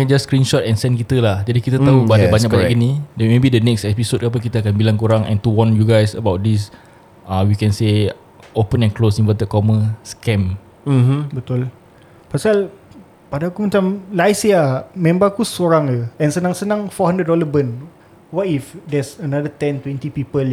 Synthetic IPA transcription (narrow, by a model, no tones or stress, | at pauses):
ɛ̃nd͡ʒaskɾinʃɔt̪ɛ̃nsɛ̃nk̬it̪əlahd͡ʒadikit̪ət̪aubadabaɲakbbaɲakinidɛmebidənɛksɛpisod̚kap̬ək̬it̪əakanbilaŋkuɾaŋɛ̰̃nt̪uwɔ̃njuɡajsə̰bawt̪̚dis | ãwikɛ̃nse | ʔopə̃nɛ̃nklosĩnvɛt̪əkɔməskɛ̃m̩ | bət̪ʊl | pasal | padakumãt͡ʃamlajsiamɛ̃mbakusoɾaŋəɛnsənãŋsənãŋfɔɦãndɾədɔləbən | watifdɛsənadət̪ɛ̃nt̪wɛ̃nt̪ipipəl